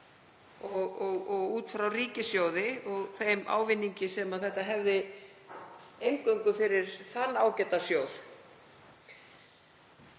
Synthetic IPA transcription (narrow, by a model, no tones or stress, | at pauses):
ɔɣɔɣɔɣuːt̪fɾawriːcɪsjowðɪɔɣθejma̰ːwvɪnːiɲcɪsɛmaðθɛht̪aɦɛvðɪ | ejŋkœɥŋkʏfɪɾɪɾ̥θanːaːwcɛːt̪asjowθ